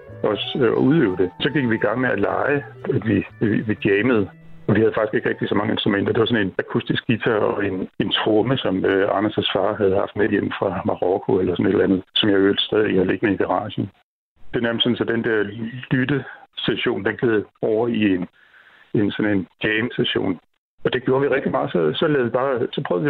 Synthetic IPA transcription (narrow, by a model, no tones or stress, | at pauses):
ɒ̽sɒuðˠø̰ːʊd̥e̝sɒ̽ɡ̥iɡ̥ʋiːɡ̥ɑ̈ŋ̰meælɑ̈ɪæd̥ʋiʋiɡ̥jɛːməð̩ˠ | ɒ̽ʋihæð̩ˠfɑ̈ɡ̥isɡ̥e̝ɡ̥ʁeɡ̥̚d̥isɒ̽mɑ̈ŋəe̝nsd̥ʁumen̰d̥ɐd̥e̝ʋɑ̈sɔ̽ne̝nækʰusd̥isɡ̥it͡sʰæɒ̽e̝ne̝nt͡sʰʁɔməsɒ̽møɑ̈næsæsfɑ̈ːɦæð̞̩ˠhɑ̈fd̥mejem̰mfʁɑ̈mɑ̈ʁɔkʰo̝elɐsɔ̽ne̝d̥lænð̞ˠsɒ̽mjɑ̈øɐ̰l̥sd̥ɛːðˠihɑle̝ɡ̥nəiɡ̥æʁɑ̰̈ːɕən̩ | d̥e̝ɐnæɐmssɔ̽nsɒ̽d̥end̥eɐ̰lydəseɕo̝̰ːnd̥enɡ̥eð̩ˠɒʊ̰ɐien | e̝nsɒ̽ne̝nɡ̥ɛɪmsæɕo̝̰ːn | ɒ̽d̥e̝ɡjo̝ːɐʋiʁɛɡ̥d̥imɑ̈ːð̩ˠsɒ̽sɒ̽lɛðˠʋib̥ɑ̈ːsɒ̽pʰœːð̩ˠi